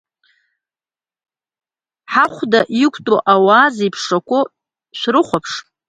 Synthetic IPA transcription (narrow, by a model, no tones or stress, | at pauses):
ħaχʷdaʔikʷʰʼtʼoʔawaːzijpʰʂakʷʼʊ | ʃʷrɨχʷapʰʂ